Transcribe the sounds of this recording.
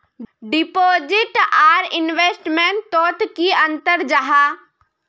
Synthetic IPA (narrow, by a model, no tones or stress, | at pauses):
ɖɪpoːd͡ʒɪʈaːɾɪnʋeːsʈmeɳʈt̪ɔːt̪kiɐ̃nt̪əɾd͡ʒaɦaː